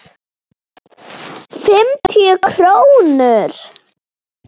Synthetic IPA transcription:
fɪmt̪ʰijʏkʰɾownʏɾ̥

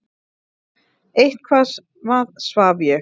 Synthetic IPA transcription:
ejht̪kʰvaːs | vaðsvaːvjɛ

